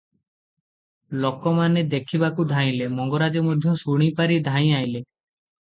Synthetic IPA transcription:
lokɔmaned̪ekʰibakud̪ʱaj̃lemɔŋɡɔɾad͡ʒɔmod̪ʱjɔ̃suɽ̃ipaɾid̪ʱãj̃ajle

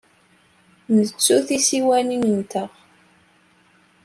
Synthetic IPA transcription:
nət͡sːuθisiwæninənt̪əʁ

